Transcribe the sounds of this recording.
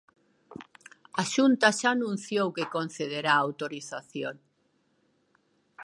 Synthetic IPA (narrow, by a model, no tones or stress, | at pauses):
aʃunt̪aʃaːnũn̟θjowkekon̟θeðeɾaːwt̪oɾiθaθjoŋ